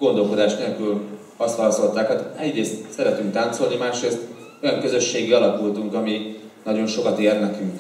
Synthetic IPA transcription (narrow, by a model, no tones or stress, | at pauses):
ɡ̥o̞nd̪o̞lko̞d̪aːʃt̪neːlkyl | ɒst̪hɒɦɒso̞lt̪aːkhat̪ɛɟreːst̪sɛɾɛt̪yŋk̚t̪aːnt̪so̞lnimaːʃreːst̪ | o̞jɒŋkø̞zø̞ʃːeːɡiɒlɒkult̪uŋkɒminɒɟo̞nʃo̞kɒt̪eːrnɛkyŋk